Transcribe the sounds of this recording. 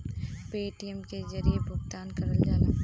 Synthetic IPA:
peːʈiɛmkezɐɾiebʱʊɡt̪aːnkɐɾəld͡ʒaːla

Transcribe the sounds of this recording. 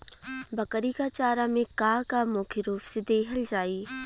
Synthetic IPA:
bɐkəɾikat͡ʃaːɾamẽkaːkamoːkʰeɾuːpsed̪eːkʰəld͡ʒaːiː

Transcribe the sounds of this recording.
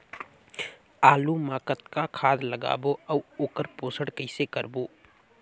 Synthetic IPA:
aːlumaːkət̪kakʰaːd̪ləɡa̰ːboɐuoːkəɾpoːsəɽkəɪsekəɾboː

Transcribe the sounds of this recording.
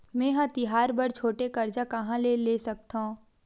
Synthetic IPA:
mɛ̃ːɦãt̪ɪɦaːɾbɐɾt͡ʃʰoːʈekɐɾd͡ʒakɐɦãleːleːsɐk̚t̪aũ

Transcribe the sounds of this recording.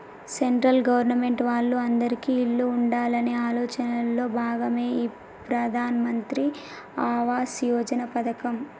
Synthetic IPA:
se̞ɳʈɾɐlɡɐʋɐɾnɐme̞ɳʈʋaːɭːuɐnd̪ɐɾikiiɭːuːɳɖaːlɐneaːlɔːt͡ʃɐnɐlːo̞ːbʱaːɡɐme̞ːiː | pɾɐd̪ʱaːnɐmɐnt̪ɾi | aːʋaːsjɔːd͡ʒɐnɐpɐt̪ɐkɐm

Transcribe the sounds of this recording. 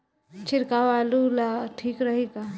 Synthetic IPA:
t͡ʃɪɾkawaːlulaʈʰiːkɾɐɦiɡa

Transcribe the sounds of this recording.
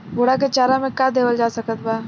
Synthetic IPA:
boɽak̬et͡ʃaːɾãmẽkaːd̪eːʋəld͡ʒaːsəkət̪̚baː

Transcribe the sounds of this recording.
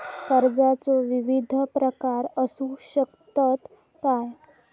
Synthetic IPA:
kəɾd͡zat͡soʋiʋid̪ʱpɾəkaɾəsuɕəkt̪ət̪ | kaj

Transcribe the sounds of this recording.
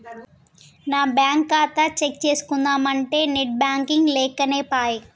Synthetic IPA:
naːbjaːŋkːaːt̪ɐt͡ʃek̚t͡ʃe̞ːsu̥kund̪aːmɐɳʈe̞ːneʈ̚bjaːŋkiŋɡlɛːkɐneːpaːji

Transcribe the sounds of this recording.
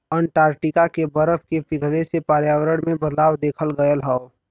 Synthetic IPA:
əɳʈaːɾʈikakebəɾəpʰkepɪɡʱlesepaːɾjaːwəɾəɽ̃mẽbəd̪laːwd̪eːkʰəlɡəjəlɦɛo

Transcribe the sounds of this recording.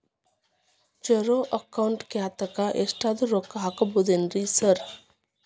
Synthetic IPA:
t͡ʃəɾoʔəkaʊɳʈkeat̪əkaʔḛsʈad̪ɾokːaɦakbud̪enɾisəɾ

